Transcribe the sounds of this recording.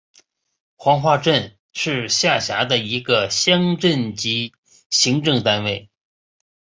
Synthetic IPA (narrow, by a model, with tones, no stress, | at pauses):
xwɑ˧˥ŋxwa˥˧ʈ͡ʂə˥˧n | ʂɻ̩˥˧ɕja˥˩ɕja˧˥d̪ə˧i˧˥ɡə˧ɕjɑ˥ŋʈ͡ʂə˥˩nt͡ɕi˧˥ | ɕi˧˥ŋʈ͡ʂɤ˥˩ŋt̪a˥nwe˥˩ɪ